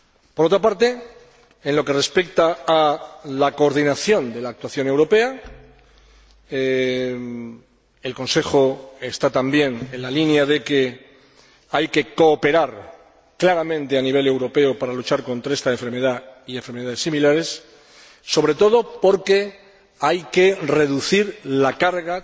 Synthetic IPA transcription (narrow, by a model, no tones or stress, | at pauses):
poɾot̪ɾapaɾt̪e̞ | enlo̞ke̞re̞spe̞k̚t̪aː | lako̞ːɾð̞inaθjo̞nd̪e̞laːk̚t̪waθjo̞ne̞wɾo̞pe̞a | e̞lko̞nse̞xo̞e̞st̪at̪ambje̞ne̞nlalinjaðe̞ke̞ | ajke̞ko̞ːpe̞ɾaɾ | klaɾamẽ̞nt̪e̞aniβ̞e̞le̞wɾo̞pe̞opaɾalut͡ʃaɾko̞nt̪ɾae̞st̪aeɱfeɾme̞ðaieɱfeɾme̞ðaðe̞similaɾe̞sː | o̞β̞ɾe̞t̪o̞ð̞o̞po̞ɾke̞ | ajke̞re̞ðuθiɾlakaɾɣa